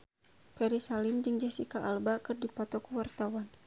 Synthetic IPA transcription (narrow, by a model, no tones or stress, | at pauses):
pɛɾisalɪmd͡ʒɨŋd͡ʒɛsikaʔalbakɨrdipɔt̪ɔkuwart̪awan